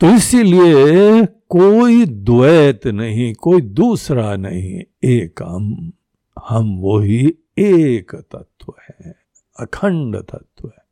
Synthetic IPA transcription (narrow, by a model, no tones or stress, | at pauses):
t̪oɪsilie | koːid̪ʊʋɛːt̪nɐɦĩkoːid̪uːsɾanɐ̰ɦḭ̃eːkɦɐm | hɐmʋoɦi | eːkt̪ɐt̪ʰʋəhɛ̃ | ɐkʰə̃ɳɖt̪ɐ̰t̪ʰwɛ̃